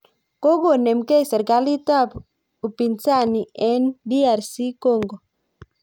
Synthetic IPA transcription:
ko˦ɡo˨nɛ˨mkɛ˦˨sɛ˨ɾka˦li˦ta˦˨p | u˨pi˨nsa˦˨ni˨ɛ˦ndi˦a˨ɾsi˦kɔ˦˨ŋɡɔ˨

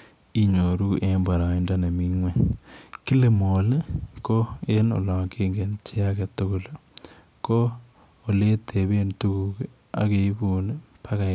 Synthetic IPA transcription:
i˦ɲo˨ɾu˦ʔe˦mba˨ɾa˨i˦nda˦ne˨mi˦ŋwe˦ki˦le˨mo˨le˦ko˦e˦no̰˨lɔ˨kʰe˦ŋɡe˨nt͡ʃʰe˦a˦ke˨tʊ˦ko˨l | ko˦ | o˨le˦tʰe˨be˦ntu˦ku˨k | a̰˨ke˨i˦bu˨ne˦ | pʰa˦ka˨

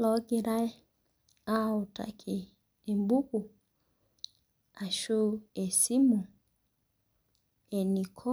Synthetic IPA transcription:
lɔ˨˦ɡɪ˨ɾa˦ | a˦˨ʊ˨ta̰˨kʰi˨ | e˨m˦bu˦ku˨ | a˨ʃo˦e˨si˦mo˨ | e˨ni˨kʰɔ˦

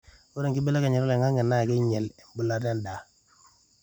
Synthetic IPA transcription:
u˦ɾe˨ŋki˦be˦le˦ke˨ɲe˨ɾo˦le˨ŋa˦ŋe˨na˦˨ke˦ɲe˨le˨m˨bu˨la˦de˦nda˨

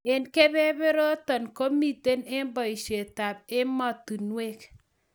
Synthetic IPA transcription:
ɪ˨nkɛ˦bɛ˦bɪ˦ɾo˦tɔ˨nko˦mi˨te˦nɪ˦mbɔ˨i˨ʃe˨ta˨bɪ˦mɔ˦˨tu˨nwe˦k

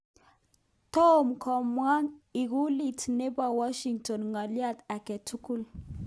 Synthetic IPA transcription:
t̪o˦mkʰɔ˨mwa˦ŋi˨ɡu˦li˨tne˦ba˨wa˦ʃi˨ŋto˨nŋa˨lja˦t̪a˨kɛ˨tu˦ku˦l

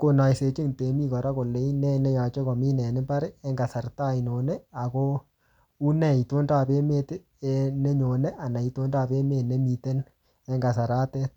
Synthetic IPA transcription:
ko˦na˨jse˨t͡ʃɪ˦ŋte˨mi˦kɔ˨ɾa˦ko˨lːe˨˦i˦nɛ˦˨nɛ˦ja˨t͡ʃɔ˦kɔ˨mi˦nɛ˨nɪ˦pa˦ɾɪ˦ɛ˦ŋɡa˨sa˨rta˦˨i˨no˨nɛ˦a˨ko˦ | u˦nɛ˦˨i˨to˦nda˦˨pe˦me˦t | ɛ˦ne˦ɲo˨ne˦ʔa˨na˨i˨to˦nda˦˨pe˦me˦˨ne˦mi˨te˦n | ɛ˦ŋɡa˨sa˨ɾa˦tɛ˦t̚

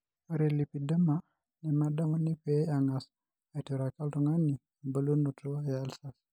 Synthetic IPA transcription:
o˦ɾelipi˨da˦ma | nɛ˨mada˦mɔ˦ni˦pɛaŋas | a˨ito˨ɾaka˦ltɔŋa˦ni˨ | mbə˦lu˦no˨to˦a˦lsas

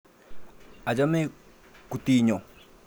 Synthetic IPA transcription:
a˨d͡ʒa˦me˦ | ku˨ti˦ɲɔ˨

